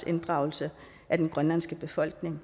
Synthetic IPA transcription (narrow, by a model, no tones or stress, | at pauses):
e̝nd̥ʁɑ̈ʊl̩sə | ʔæd̥enɡ̥ʁɶnlænsɡ̥əb̥e̝fɒ̽l̰ɡ̥ne̝ŋ